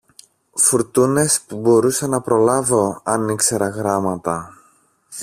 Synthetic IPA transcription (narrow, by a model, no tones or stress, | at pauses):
fuɾt̪une̞spubo̞ɾusɐnɐpɾo̞lɐvo̞ɐnikse̞ɾɐɣɾɐmɐt̪ɐ